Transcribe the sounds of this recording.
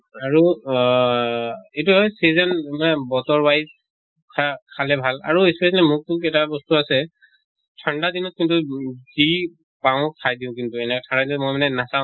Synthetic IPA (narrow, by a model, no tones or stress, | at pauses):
aɹu | ejtuɦɔjsezanmanɛbɔtɔɹwajz | kʰakʰalɛbʱala̰ɹuespɛslɛmʊk̚tʊkɛtabɔstuasɛ | tʰandadinɔt̚kintuzi | pãʊ̃kʰajdiʊ̃k̬intuɛnɛkɛtʰãndadinɔtmɔjmanɛnasãʊ̃